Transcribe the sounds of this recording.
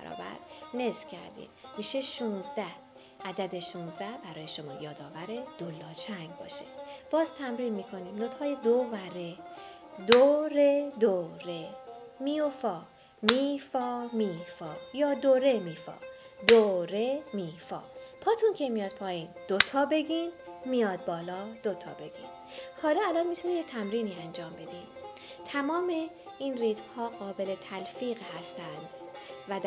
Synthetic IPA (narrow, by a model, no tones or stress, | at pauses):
bæ̰ɾɒ̰ːbæ̰ɾne̞sfcʰæ̰ɾd̪ḭːmmiːʃeʃuːnzd̪æh | ʔæd̪æd̪e̞ʃunzd̪æhbæɾɒːje̞ʃo̞mɒːjɒːd̪ɒːvæɾe̞d̪̥olːɒːt͡ʃʰæŋɡbɒ̰ːʃḛb̥ɒːzt̪ʰæmɾiːnmiːkʰo̞niːmnot̪hɒːjed̪ovæɾe̞ | d̪oɾed̪oːɾe̞miːofɒː | miːfɒːmiːfɒːjɒːd̪oːɾe̞miːfɒ̰ː | d̪oɾemiːfɒ̰ːpʰɒːt̪ʰuncʰe̞mijɒːd̪̥̚pʰɒːjiːnd̪̥ot̪ʰɒːbe̞ɟiːnmijɒːd̪̚bɒːlɒːd̪̥ot̪ʰɒ̰ːbe̞ɟḭːn | hɒːlɒːælɒːnmit̪ʰunimjet̪ʰæmɾiːniːænd͡ʒɒːmbe̞d̪im | t̪ʰæmɒːme̞ | inriːt̪fhɒːɢɒːbe̞le̞t̪ʰælfiːɣhæst̪ænd̪væd